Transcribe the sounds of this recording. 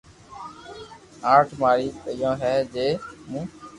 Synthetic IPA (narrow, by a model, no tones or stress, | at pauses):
aːʈʰmaːɾiːtəjõːɦɛːd͡ʒeːmũː